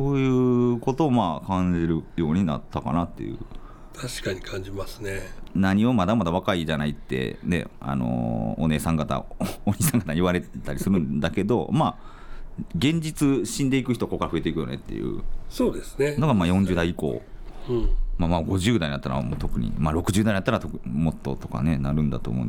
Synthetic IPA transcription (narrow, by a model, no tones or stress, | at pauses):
so̞ːjɯ̟ːko̞t̪o̞ːmaːkãɲ̟d͡ʑiɾɯ̟jo̞ːɲ̟ina̰t̪ʰːaka̰nat̪ːe̞jɯ̟̰ | t̪ʰaɕi̥kaɲikʰãɲ̟d͡ʑimasɨ̥nenaɲ̟io̞mad̪amad̪aβakaiʑanait̪ːe̞̰ne̞̰a̰no̞̰one̞ːsãŋɡat̪a̰oɲiːsãŋɡat̪aɲiβaɾe̞tt̪aɾʲisɨɾɯ̟̃nd̪ake̞d̪o̞̰maː | ɡẽ̞ɲ̟d͡ʑit͡sɨɕĩnd̪e̞ikɯ̟çi̥t̪o̞kːo̞kaɾaɸɯe̞t̪eikɯjo̞̰ne̞̰t̪ːe̞̰jɯ̟̰soːd̪esɨ̥nenoɡamaːjõ̞ɲd͡ʑɨːd̪aiiko̞̰ːɯ̃mamaɡo̞ʑɨːd̪ainat̪ːaɾa̰mo̰ːt̪o̞kɯ̟ɲ̟ḭmaɾo̞kɯ̟ʑɨːd̪aiɲat̪ːaɾat̪okmo̞t̪ːo̞t̪o̞ka̰ne̞naɾɯ̟̃nd̪a̰t̪o̞̰ːmo̰n